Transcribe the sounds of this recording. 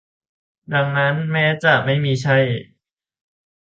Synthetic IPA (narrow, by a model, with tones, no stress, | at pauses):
da˧ŋna˦˥nmɛː˦˥t͡ɕa˨˩ma˥˩jmiː˧t͡ɕʰa˥˩j